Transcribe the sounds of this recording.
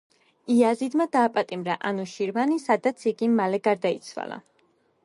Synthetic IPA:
iazid̪mad̪aːpʼat̪ʼimɾaʔanuʃiɾvanisad̪at̪sʰiɡimalɛɡaɾd̪ait̪sʰwa̰la̰

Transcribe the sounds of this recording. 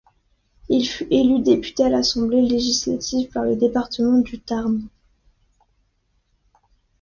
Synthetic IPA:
ilfyʔelyd̪epy̥t̪ealasɑ̃bleleʒisla̰t̪ʰivpaʁləd̪epaʁt̪əmɑ̃d̪yt̪aʁm

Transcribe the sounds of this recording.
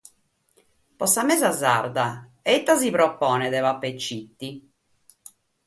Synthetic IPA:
pɔsamɛzaza̰ɾd̪a | ɛt̪ːas̬ipɾɔpːɔːnɛd̪ɛvapːet͡ʃːit̪ːi

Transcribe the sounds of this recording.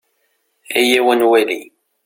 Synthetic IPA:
æjæwənwæli

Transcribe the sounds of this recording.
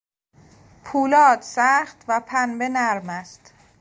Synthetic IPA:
pʰuːlɒːd̪sæːχt̪væpʰænbe̞næɾmæst̪

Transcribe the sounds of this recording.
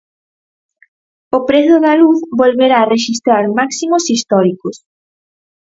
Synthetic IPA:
opɾeθʊðaluθbolβeɾaːreʃist̪ɾaɾmaksimosist̪ɔɾikos

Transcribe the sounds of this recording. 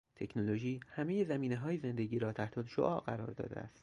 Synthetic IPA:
t̪ʰe̞cʰnoloʒiːhæme̞je̞zæmiːneɦɒːjeze̞nd̪eɟiːɾɒːt̪ʰæht̪ʰɒd̪ʃo̰ʔɒːʔɢæɾɒ̰ːɾd̪ɒ̰ːd̪ḛæ̰st̪

